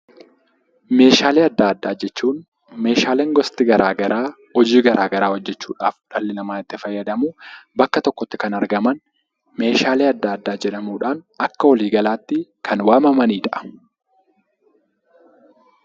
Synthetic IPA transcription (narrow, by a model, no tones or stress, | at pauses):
me̞ːʃaːleːɐd̪ːaːɐd̪ːaːd͡ʒɛt͡ʃːuːn | me̞ːʃaːleːŋɡɔst̪ɪɡɐɾaːɡɐɾaː | ɔd͡ʒiːɡɐɾʔaːɡɐɾaːhɔd͡ʒːɛt͡ʃːuːᶑaːfᶑɐlːɪnɐmaːɪt̪ːɪfɐjːɐd̪ɐmuːbɐkːɐt̪ɔkːɔt̪ːɪ̥kɐnɐɾɡɐmɐn | me̞ːʃaːleːɐd̪ːaːd̪ːaːd͡ʒɛᶑɐmuːᶑaːn | ɐkːɐwɐliːɡɐlaːt̪ːɪkʰɐnwaːmɐmɐniːᶑɐʔ